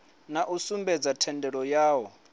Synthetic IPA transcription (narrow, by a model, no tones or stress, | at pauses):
naʔusumbɛd͡zatʰɛndʱɛɺɔjaːwɔ